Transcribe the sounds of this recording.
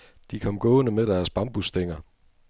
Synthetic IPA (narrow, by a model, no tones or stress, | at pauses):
d̥ikʰɒ̽mɡ̥ɔ̽ːnəmeɾ̥æɐsb̥ɑ̈mb̥usd̥eŋ̰ɐ